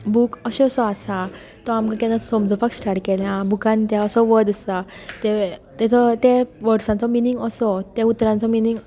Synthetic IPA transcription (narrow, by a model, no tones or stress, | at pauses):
bukəɕɛsɔasa | t̪ɔamkãkɛ̃nãsɔmd͡zɔfaksʈaɽkɛljãbukãnt̪jaəsɔʋəd̪əstat̪et̪at͡sɔt̪eʋəɾsãnt͡sɔminiŋɡəsɔt̪eut̪ɾãnt͡sɔminiŋɡ